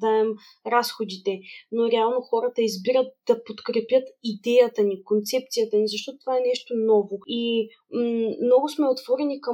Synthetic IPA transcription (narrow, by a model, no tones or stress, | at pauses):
d̪aɛm | ɾasxod̪it̪ɛnoɾɛalˠnoxɔɾət̪ɐizbiɾət̪̚d̪̥ɐpot̪kɾɛpʲjət̪id̪ɛjət̪ɐnikont̪sɛp̚t̪sijət̪ənizɐʃ̬t̪ɔt̪ot̪vaɛnɛʃt̪onɔvoi | mnɔɡʊsmɛot̪v̥ɔɾɛnikɐ